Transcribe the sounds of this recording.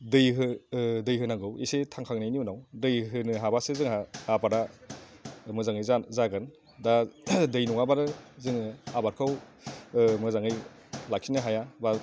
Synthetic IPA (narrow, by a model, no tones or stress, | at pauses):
dɯjɦɯdɯjɦɯnaɡɯwḭsetʰaŋkʰaŋnajniunawdɯjɦɯnɯɦabasezɯŋaːbaɾa | mɯzaŋɯjzazaɡɯn | dadɯjnuŋabaɾɯzɯŋɯabaɾkʰɯw | mɯzaŋɯj | lak̚sʰinɯɦajaba